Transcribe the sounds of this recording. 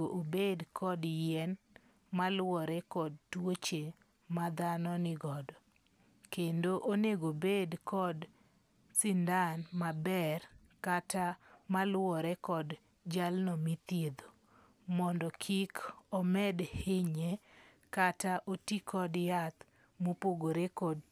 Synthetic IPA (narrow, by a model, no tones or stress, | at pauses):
oʔobedkʰɔdjɛn | malwɔɾɛkɔdtwot͡ʃe | mad̪anɔnɪɡɔdɔ | kendoʔoneɡobedkɔd | sɪndanmabɛr | katamalwɔɾɛkɔd | d͡ʒalnɔmit̪jed̪o | mɔndɔkʰikɔmɛdheɲe | kataʔotikʰɔdjat̪ | mopoɡoɾekɔd